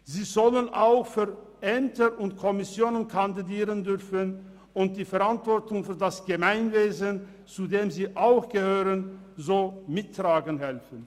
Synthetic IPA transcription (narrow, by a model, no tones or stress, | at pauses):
ziːzɔlənʔa̰ʊxfyːɐʔɛmtʰəʊntkʰɔmɪsjoːnənkʰandidiːʁəndʏʁfən | ʊnt̚d̥iːfɛɐʁantv̥ɔʁtʊŋfyːɐdasɡ̥əmaɪnveːzən | t͡sudeːmziːʔaʊxɡ̥əhøːʁən | zoːmɪtːʁ̥aːɡənhɛlfən